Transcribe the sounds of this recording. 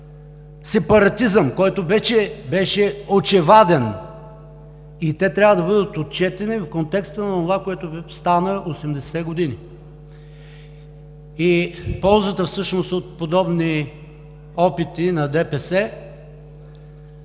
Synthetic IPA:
sɛpɐɾɐt̪izəmkɔjt̪obɛʃɛbɛʃɛot͡ʃɛvad̪ɛn | it̪ɛt̪ɾʲavəd̪ɐbɤd̪ət̪ot̪̚t͡ʃɛt̪ɛnifkont̪ɛkst̪ənɐonovakoɛt̪ost̪anəʔosɛmd̪ɛsɛɡod̪ini | ipɔlˠzət̪əfsɤʃnost̪ot̪̚pod̪ɔbni | ɔpit̪inɐd̪ɛpɛsɛ

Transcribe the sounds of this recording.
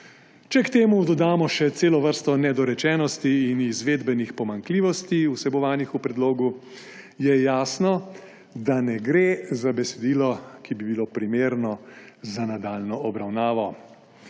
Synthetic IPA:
t͡ʃɛkt̪eːmud̪ɔd̪aːmɔʃɛt̪seːlɔʋəɾst̪ɔnɛd̪ɔɾɛt͡ʃɛːnɔst̪iːnizʋeːd̪bɛnixpɔmaŋkliːʋɔst̪iusɛbɔʋaːnixupɾɛd̪loːɡu | jɛjaːsnɔ | d̪anɛɡɾeːzabɛsɛd̪iːlɔkibibilopɾimeːɾnɔzanad̪aːlnɔɔbɾawnaːʋɔ

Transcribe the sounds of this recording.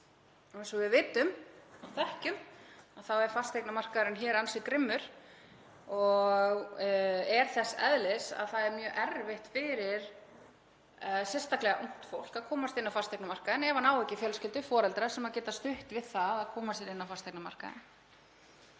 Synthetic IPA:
ɔɛnsɔvɪðvɪːt̪ʏmawθɛhcʏmaθawɛɾ̥fast̪eknamar̥kaðɾɪnçɛːɾansɪkɾɪmːʏɾ̥ | ɔɣ | ɛɾ̥θɛsːɛ̰ðlɪsa̰ðθaðɛɾmjœːʔɛɾvɪht̪fɪɾɪɾ | sɛnst̪aklɛɣaʔom̥t̪fowl̥kaðkʰɔːmast̪ɪnːawfast̪ejknamar̥kaðɪnɛvanaːwɛcɪfjœːlscɪlt̪ʏfɔːɾɛlt̪ɾasɛmaðcɛːt̪ast̪ʏht̪vɪðθaðaðkʰɔːmasɛɾɪnːawfast̪ejknama̰r̥ka̰ðɪ̰n

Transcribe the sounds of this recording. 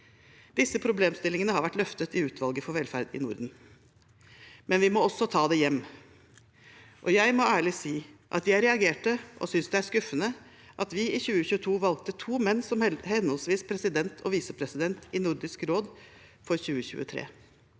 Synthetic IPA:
d̪ɪsːəpʰɾʊbleːmst̪ɪlɪŋənəhɑɾʋæʈlœft̪ət̪ɪʉːt̪ʰʋɑlɡəfɔɾʋɛlfæɾd̪ɪ̰nʊɾd̪n̩ | mɛnʋɪmɔɔsːɔt̪ʰɑːd̪ɛjɛmː | ʔɔjæɪmɔæːɭɪsiːʔɑt̪jæɪɾɛɑɡeːʈəʔɔ̰sʏnsd̪ɛæɾskʉfːənə | ʔɑt̪ʋɪɪçʉːəçʉːət̪ʰuːʋɑlk̚t̪ət̪ʰuːmɛnːsɔmhɛnhɔlsʋiːspʰɾɛsɪd̪ɛnt̪ʰɔʋiːsəpʰɾɛsɪd̪ɛnt̪ɪnʊɾd̪ɪskɾoːd̪fɔɾçʉːəçʉ̰ːət̪ʰɾḛː

